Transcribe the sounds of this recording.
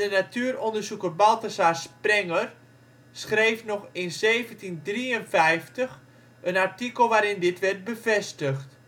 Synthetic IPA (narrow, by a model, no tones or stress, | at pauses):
dənatʰyərɔndərsukərbalˠtəsasprɛŋər | sxrejfnɔxɪnzeːvəntindriənfɛjftəx | ənartikəlˠʋaːɾɪndɪtʋɛrt̚bəfɛstəxt